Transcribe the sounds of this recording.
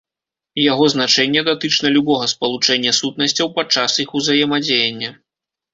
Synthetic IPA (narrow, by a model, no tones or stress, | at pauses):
jaɣɔznat͡ʂɛnʲːɛd̪at̪ɨt͡ʂnɐlʲubɔɣɐspɐlˠut͡ʂɛnʲːɐsut̪̚nɐsʲt͡sʲɐwpat͡ʂːasixuzajɛmɐd͡zʲejɐnʲːɐ